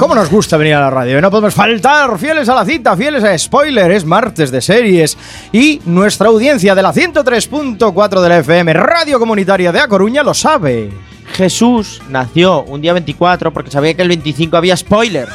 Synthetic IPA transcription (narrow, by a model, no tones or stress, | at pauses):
ko̞mo̞no̞zɣust̪aβe̞niɾalaraðjoeno̞p̬oemo̞sfalt̪aɾfje̞le̞s̬alaθit̪afje̞lesaespojleɾezmaɾt̪e̞zðeseɾje̞s | inwe̞st̪ɾaːwðje̞n̟θjað̞e̞laθje̞nt̪ot̪ɾe̞spunt̪o̞kwat̪ɾoð̞e̞lefeemeraðjo̞ko̞mũnit̪aɾjað̞eako̞ɾuɲalo̞saβe | xe̞sus | naθjo̞und̪iaβe̞nt̪ikwat̪ɾo̞poɾke̞saβ̞iakelβe̞nt̪iθiŋkoaβiaespo̞jleɾ